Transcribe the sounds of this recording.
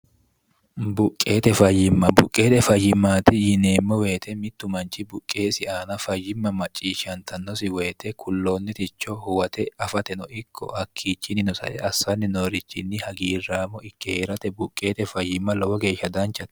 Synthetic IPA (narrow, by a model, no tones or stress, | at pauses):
bʊkʼːe̞ːt̪ɛfɐjːɪmːɐbʊkʼːe̞ːt̪ɛfɐjːɪmːaːt̪ɪjɪne̞ːmːɔwe̞ːt̪ɛmɪt̪ːʊmɐnt͡ʃːɪbʊkʼːe̞ːsɪaːnɐfɐjːɪmːɐmɐt͡ʃʼːiːʃɐnt̪ʰɐnːɔsɪwe̞ːt̪ɛkʰʊlːoːnːɪt̪ɪt͡ʃːɔhʊwɐt̪ɛɐfɐt̪ɛnɔɪkʰːɔ̰hɐkʰːiːt͡ʃːɪnɪnɔsɐ̰ʔɛɐsːɐnːɪnoːɾɪt͡ʃːɪnːɪhɐɡiːrːaːmːɔɪkːɛheːɾɐt̪ɛbʊkʼːe̞ːt̪ɛfɐjːɪmːɐlɔwɔɡe̞ːʃːɐd̪ɐnt͡ʃːɐt̪ː